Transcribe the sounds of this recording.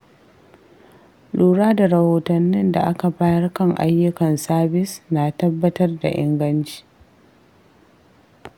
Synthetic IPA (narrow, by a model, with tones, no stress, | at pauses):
luː˨ɽaː˦da˨ɾɐ˨hoː˨tɐ˨nːɪ˦nda̰˨ʔa˦ka˨baː˦jɐ˦rkɐ˦˨ŋʔa̰˦jːʊ˦kɐ˨nsaː˦bɪ˦snaː˨tɐ˦bːɐ˦tɐ˦rda̰˨ʔɪ˦ŋɡɐ˦nt͡ʃi̥ː˦